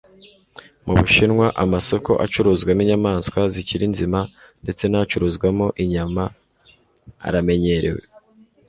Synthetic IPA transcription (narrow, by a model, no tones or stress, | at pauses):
muβuʃinŋwaʔamaso̞ko̞ʔa̰t͡ʃuɾuzɡwaniɲamaːnskwaziciɾinzima | nde̞t͡se̞nat͡ʃuɾuzɡwamo̞ʔiɲama | a̰ɾame̞ɲe̞ɾḛwe̞̰